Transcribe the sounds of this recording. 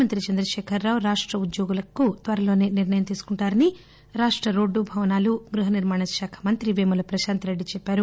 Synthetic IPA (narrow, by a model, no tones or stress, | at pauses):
mɐnt̪ɾit͡ʃɐnd̪ɾɐʃɛːkʰɐɾːaːʋuɾaːʂʈɾɐud̪joːɡulɐkut̪ʋɐɾɐloːne̞ːniɾnɐjɐmt̪iːsu̥kuɳʈaːɾɐni | ɾaːʂʈɾɐɾo̞ːɖːubʱɐʋɐnaːluɡɾuɦɐniɾmaːɳɐʃaːkʰɐ̥mɐnt̪ɾiʋeːmulɐpɾɐʃaːnt̪ɐɾeɖːit͡ʃɛpːaːɾu